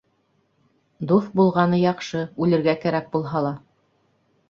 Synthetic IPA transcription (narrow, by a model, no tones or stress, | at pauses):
d̪ufbulˠʁɑnɤjɑqʃɤʉlɘ̆ɾɡækæɾæk̚bulˠɦɑlˠɑ